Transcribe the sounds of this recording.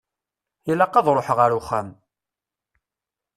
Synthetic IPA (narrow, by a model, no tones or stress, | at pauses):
ilɑqːɑðˤɾˤoħʁəɾuχæm